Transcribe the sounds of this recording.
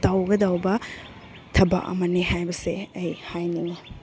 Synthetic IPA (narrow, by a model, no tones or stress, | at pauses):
tawɡɐdɐwbɐ | tʰɐbɐ̰kɐ̰mɐniɦajbɐseɐjhajniŋi